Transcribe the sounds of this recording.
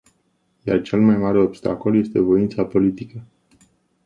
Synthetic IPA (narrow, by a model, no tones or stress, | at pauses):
jart͡ʃe̞lmajmaɾe̞o̞bst̪a̰ko̞lje̞st̪e̞vo̞int̪sapo̞lit̪ikə